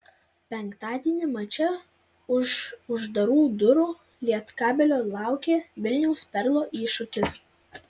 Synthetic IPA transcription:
pʲɛŋˑkt̪ɑːd̪ʲiɛnʲɪmɐt͡ʃʲɛ | ʊʃʊʒd̪ɐɾuːd̪ʊɾuː | lʲiɛt̪kɑːbʲɛlʲoːlˠɑˑʊkʲeːʋʲɪlʲnʲɛʊspʲɛɾlˠoːʔiːʃʊkʲɪs

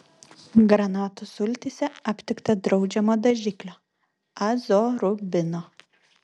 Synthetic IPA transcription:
ɡɾɐnɑːt̪ʊsʊlʲt̪ʲɪsʲɛɐpʲt̪ʲɪkt̪ɐd̪ɾɒʊd͡ʒʲɛmoːd̪ɐʒʲɪklʲoː | ɐzoːɾʊbʲɪnoː

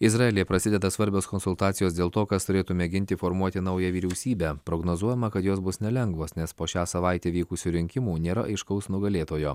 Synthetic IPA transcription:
ɪzɾɑelʲijɛpɾɐsʲɪd̪ʲɛd̪ɐsʋɐɾʲbʲoːskɔnsʊlˠt̪ɑːt̪sʲɪjoːsd̪ʲeːlˠt̪oːkɐst̪ʊɾʲeːt̪ʊmʲeɡʲɪnʲt̪ʲɪfoːɾmuɔt̪ʲɪnɐʊjɛʋʲiːɾʲɛʊsʲiːbʲæpɾoːɡnoːzuɔjɛmɐkɐt̪joːsbʊsnʲɛlʲɛŋɡʋoːsnʲɛspoːʃʲæːsɐʋɐˑɪt̪ʲeːʋʲiːkʊsʲuːɾʲɪŋʲkʲɪmuːnʲeːɾɐ̰ʔɐɪʃkɐʊsnʊɡɐlʲeːt̪oːjoː

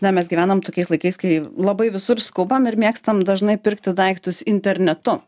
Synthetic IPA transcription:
nʲɛmʲɛsɡʲiʋæːnɐmt̪oːkʲɛɪslˠɐɪkɐɪskɐɪlˠɐbɐɪʋʲɪsʊɾskʊbɐmɪɾmʲiɛkst̪ɐmd̪ɐʒnɐɪpʲɪɾkt̪ʲɪd̪ɐɪkt̪ʊsɪnʲt̪ʲɛɾʲnʲɛt̪ʊ

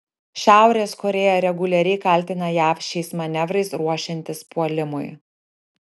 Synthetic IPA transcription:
ʃʲæˑʊɾʲeːskɔɾʲeːjoːɾʲɛɡʊlʲɛɾʲɛɪkɐlʲˑt̪ʲɪnɐjæːfʲʃʲt͡ʃʲɛɪsmɐnʲɛʋɾɐɪsɾuɔʃʲɪnʲt̪ʲɪspuɔlʲɪmʊ̰j

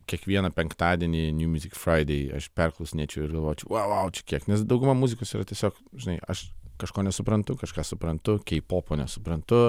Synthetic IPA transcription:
kʲiɛkʋʲiɛnɐpʲɛŋkt̪ɑːd̪ʲiɛnʲɪnʲjuːmʲʊzʲɪkfɾɐɪd̪ʲɛɪɐ̰ʃpʲɛrklˠʊsʲnʲeːt͡ʃʲɛʊɪrɡɐlˠʋoːjt͡ʃʲɛʋɐʋɐʊt͡ʃʲɛ̥kʲiɛknʲɛsd̪ɐʊɡʊmɐmuːzʲɪkoːsiːɾɐt̪ʲiɛsʲoːk | ʒʲɪnɐɪʔɐ̰ʃkɐʃkoːnʲɛsʊpɾɐnt̪ʊkɐʃkɑːsʊpɾɐnt̪ʊkʲɛɪpoːpoːnʲɛsʊpɾɐnt̪ʊ

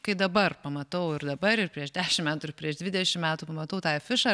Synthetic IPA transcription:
kɐɪd̪ɐbɐrpɐmɐt̪ɐʊɪrd̪ɐbɐɾɪrpʲɾʲiɛʃd̪ʲæːʃʲɪmʲæːt̪uɪɾpʲɾʲiɛʃd̪ʲʋʲɪd̪ʲɛʃʲɪmmʲæːt̪uːpɐmɐt̪ɐʊt̪ɑːfʲɪʃɑ

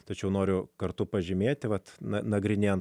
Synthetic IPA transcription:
t̪ɐt͡ʃʲɛʊnoːɾʲʊkɐrt̪ʊpɐʒʲɪmʲeːt̪ʲɪʋɐt̪nɐnɐɡɾʲɪnʲeːn

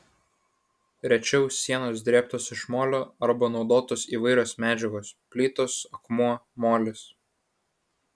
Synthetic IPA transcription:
ɾʲɛt͡ʃʲɛʊsʲːiɛnoːsd̪ʲɾʲeːpt̪oːsɪʃmoːlʲoːɐɾbɐnɒʊd̪oːt̪oːsiːʋɐɪɾʲoːsmʲæːd͡ʒʲɛɡoːspʲlʲiːt̪oːsɐkmuɔmoːlʲɪs

